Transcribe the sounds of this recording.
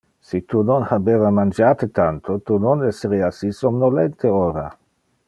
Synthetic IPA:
sit̪unonhabeːvamand͡ʒaːt̪et̪ant̪ʰot̪unonɛsːeɾeasisomnolɛnt̪ʰeoːɾa̰

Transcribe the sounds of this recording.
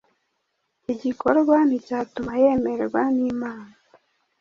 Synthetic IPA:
iɟiko̞ɾɡwanitatumaje̞ːmeɾeɡwaniːmaːna

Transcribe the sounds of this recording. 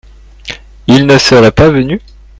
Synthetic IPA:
ilnəsəʁɛpavəny

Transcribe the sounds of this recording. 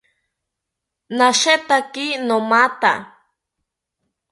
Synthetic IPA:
naʃet̪akinomat̪a̰

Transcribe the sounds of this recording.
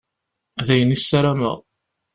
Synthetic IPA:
ðæjənisːæɾæmə̰ʁˤ

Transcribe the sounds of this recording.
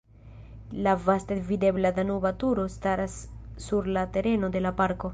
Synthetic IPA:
lavast̪avid̪e̞blad̪anobat̪uɾo̞staɾasːuɾlat̪e̞ɾe̞no̞d̪e̞lapaɾko̞

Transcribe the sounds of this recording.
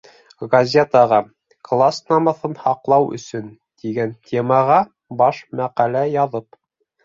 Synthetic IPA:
ɡɐzʲet̪ɑʁɑ | klˠasnɑmɑθɤnhɑqlˠɑwɵ̰̆sɵn | t̪iɡænt̪ʲʰemɑʁɑ | bɑʃmæqælæjɑðɤp

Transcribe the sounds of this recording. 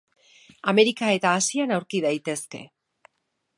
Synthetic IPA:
ame̞ɾikae̞t̪aːsianawɾkiðajt̪e̞ske̞̰

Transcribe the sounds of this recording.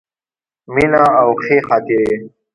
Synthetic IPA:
minãːwxeːxaːt̪iɾe

